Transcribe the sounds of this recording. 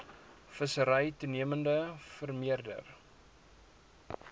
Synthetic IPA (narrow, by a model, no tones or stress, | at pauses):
fəsəɾəjtuniəməndəfərmiərdə̰r